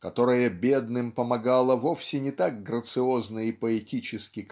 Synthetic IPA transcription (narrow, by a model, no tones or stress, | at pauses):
kɐt̪o̞ɾɨjəbʲe̞d̪nɨmpəmɐɡalˠəvo̞fsʲɪnʲɪt̪aɡ̚ɡɾət̪sɨo̞znəipəɛtʲit͡ɕɪskʲɪ